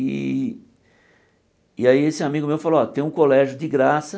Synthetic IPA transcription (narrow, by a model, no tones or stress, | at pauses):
ḭ | ɪaiesɪamiɡʊmewfaloɔt̪ẽj̃ũkolɛʒʊd͡ʒɪɡɾasɐ